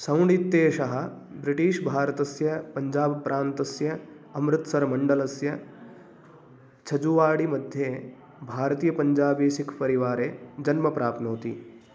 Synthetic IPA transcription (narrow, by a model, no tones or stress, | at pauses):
sɐ̃wɳit̪ːeːʃɐɦɐ̆ | bɾɪʈiːʃbʱaːɾɐt̪ɐsjɐpɐɲd͡ʒaːbpɾʔaːnt̪ɐsjɐ | ɐmɾɪt̪sɐɾmɐɳɖɐlɐsjɐ | t͡ʃʰɐd͡ʒuʋaːɽimɐd̪ʱjeː | bʱaːɾɐt̪iːjɐpɐɲd͡ʒaːbiːʃikʰpɐɾiʋaːɾeːd͡ʒɐnmɐpɾaːpnoːt̪ḭ